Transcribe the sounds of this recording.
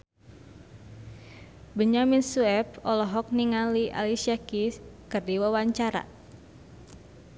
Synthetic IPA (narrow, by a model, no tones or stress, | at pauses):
bəɲaminsuɛp̚ɔlɔɦɔk̚niŋaliʔa̰lisiakiskərdiwawaɲt͡ʃaɾa̰